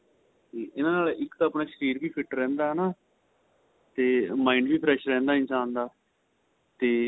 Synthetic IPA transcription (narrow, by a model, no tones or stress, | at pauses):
iːɪnãːnaːlʔɪkt̪aːəpnaːʃəɾiːɾbiːpʰɪʈɾɛ̃ːnd̪aːɦɛnaː | t̪eːmãːiɳɖʋiːpʰɾɛːʃɾɛ̃ːnd̪aːɪ̃nsãːnd̪aː | t̪eː